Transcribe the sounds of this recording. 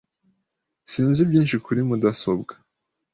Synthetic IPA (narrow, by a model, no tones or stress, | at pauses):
siːnzibjiːnʃikʰuɾimudaso̞bɡḁ